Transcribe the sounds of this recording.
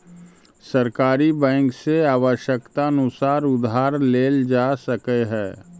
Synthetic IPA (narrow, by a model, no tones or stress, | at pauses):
sɐɾkaːɾibɛ̃ːŋkseaːʋəʃjəkt̪aənʊsaːɾʊd̪ʱaːɾleːld͡ʒaːsəkeɦɛː